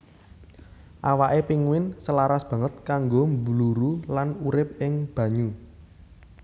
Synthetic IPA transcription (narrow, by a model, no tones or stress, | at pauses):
ʔawaʔepiŋwɪnsəlaɾasb̥ä̤ŋət̪̚kaŋɡombluɾulanuɾɪp̚ɪŋb̥ä̤ɲu